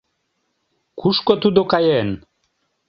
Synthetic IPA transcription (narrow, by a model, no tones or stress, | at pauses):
kuʃkot̪ud̪okɑjen